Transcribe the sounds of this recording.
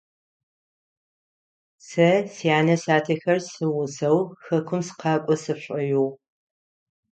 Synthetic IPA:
sɐsjaːnɐsaːtʰɐxɐrsɨwʊzɐwxɐkʷʰʊmsɨ̥qɑːkʷʼɔsɨpɕʷʼɐjuw

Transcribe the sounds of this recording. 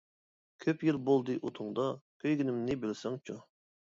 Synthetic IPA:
kʲʰøpjilbolˠd̪ɨʔut̪ʰuŋd̪ɑkʲʰøjɡʲinɪmnɪbɪlsɪŋt͡ʃʰu

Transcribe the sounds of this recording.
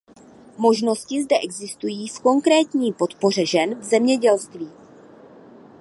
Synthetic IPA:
mo̞ʒno̞scɪzdɛʔɛɡzɪst̪ujiːfko̞ŋkɾɛːt̪ɲiːpo̞t̪po̞r̝ɛʒɛnvzɛmɲɛɟɛlst̪viː

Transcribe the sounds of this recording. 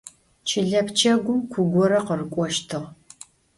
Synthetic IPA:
t͡ʃʰɪɮɐpʰt͡ʃʰɐɡʷʊmkʷʰʊɡʷɔɾɐqərɨkʷʼɔʃtʰɨʁ

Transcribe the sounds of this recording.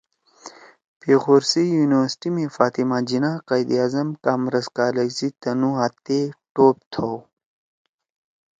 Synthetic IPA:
peːxoɾsijuːniwəɾsʈimẽfaːt̪imaːd͡ʑinaːqajd̪iaːzɐmkaːmɾɐskaːlɐɡzit̪ɐnuɦaːt̪ːeʈoːp̚t̪ʰo

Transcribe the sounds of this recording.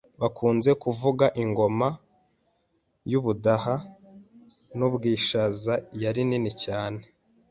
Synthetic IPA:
βakʰuːnze̞kuvuɡaʔiŋɡo̞ma | juβudaha | nubɡiːʃazajaɾininicaːne̞

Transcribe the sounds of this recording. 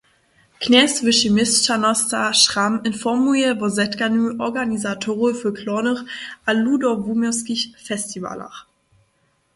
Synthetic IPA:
knɛstvɪʃimɪsʃanɔstaʃʁ̥amɪnfɔmuɛbɔzɛtɡanyːʔɔɡanizatʰoʁʊfyːɐkʰlɔnəʁʔaludɔvumɔskiçfɛstiva̰la̰ʁ

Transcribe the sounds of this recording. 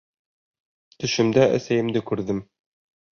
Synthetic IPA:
t̪ɵ̆ʃɘ̆md̪æʔæ̰sæjɘ̆md̪ɘkʉɾðɘm

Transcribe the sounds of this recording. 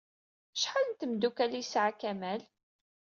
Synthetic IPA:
ʃħalənt̪əmd̪ukælijsʕakæmæl

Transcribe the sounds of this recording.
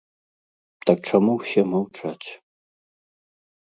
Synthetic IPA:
t̪ak̚t͡ʂamuwsʲɛmawt͡ʂat͡sʲ

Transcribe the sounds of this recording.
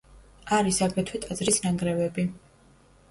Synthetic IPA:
aɾisaɡɾɛt̪ʰwit̪ʼazɾisnaŋɡɾɛvɛbi

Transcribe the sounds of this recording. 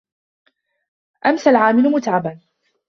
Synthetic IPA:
ʔamsalʕaːmɪlʊmʊt̪ʕaban

